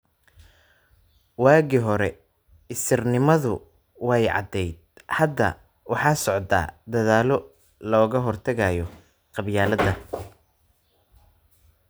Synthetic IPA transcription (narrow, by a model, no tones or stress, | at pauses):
waːɣiɦɔɾɛ | ɪsɪrnɪmɐðʊ | wɛjʕɑ̰d̪ɛjd̪̚hɐd̪ːɐ̰ | wɑħɑːsɔʕd̪a̰ːd̪ɐðaːlɔ | lɔːɣɐɦɔrt̪ʰɐɣajɔ | qɑbjaːlɐd̪ɐ